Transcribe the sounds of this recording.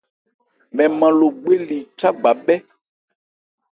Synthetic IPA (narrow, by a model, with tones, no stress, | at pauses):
mɛ̃˨mã˨lo˨ɡ͡be˦li˨t͡ʃa˦ɡ͡ba˨bɛ˦